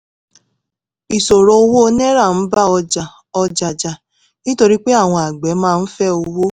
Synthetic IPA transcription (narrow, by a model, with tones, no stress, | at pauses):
i˨so˨ɾo˨o˦˧wo˦o˦nɛ˦ɾa˦˨n̩˨˦ba˦ɔ˧d͡ʒa˨ | ɔ˧d͡ʒa˨d͡ʒa˨ | nĩ˦to˧ɾi˦k͡pe˦a˦˨w̃ɔ̃˧a˨ɡ͡bɛ˨˦mãː˦˧n̩˦fɛ˦o˧wo˦